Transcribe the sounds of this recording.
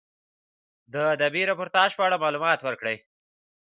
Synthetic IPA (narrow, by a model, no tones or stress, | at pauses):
d̪əad̪abiɾapoɾt̪ɑʒpəaɽamɑlumɑt̪wəɾkɽəj